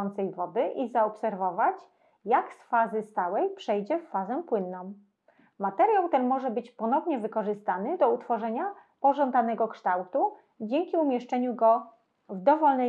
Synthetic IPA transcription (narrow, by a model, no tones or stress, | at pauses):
ɔnt̪sɛjvɔd̪ɘʔizaɔpsɛɾvɔvat͡ɕ | jaksfazɘst̪awɛjpʂɛjd͡ʑɛfːazɛpwɘnːɔ̃w̃ | mat̪ɛɾjawt̪ɛnmɔʐɛbɘt͡ɕpɔnɔvɲɛvɘkɔʐɘst̪anɘd̪ɔut̪fɔʐɛɲapɔʐɔnd̪anɛɡɔkʂt̪awt̪u | d͡ʑɛŋkʲiumʲjɛʂt͡ʂɛɲuɡɔ | vd̪ɔvɔlnɛ